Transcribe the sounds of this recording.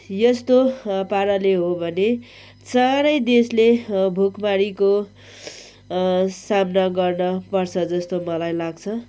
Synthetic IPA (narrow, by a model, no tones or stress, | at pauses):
jʌst̪opaɾʌleɦobʱʌne | t͡saɾʌjd̪eslebʱukmaɽiko | samnaɡʌrnʌpʌrt͡sʰʌd͡zʌst̪omʌlajlaɡt͡sʰʌ